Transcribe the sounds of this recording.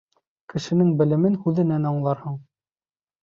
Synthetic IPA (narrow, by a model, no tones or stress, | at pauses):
kɘ̆ʃɘ̆nɘŋbɘ̆lɘ̆mɘnhʉðɘ̆nænɑɴlˠɑɾhɤɴ